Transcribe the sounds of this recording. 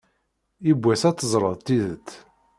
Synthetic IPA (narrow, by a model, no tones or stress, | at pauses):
ibʷːæsæt̪ːəzˤɾˤəðˤt̪iðət̪ː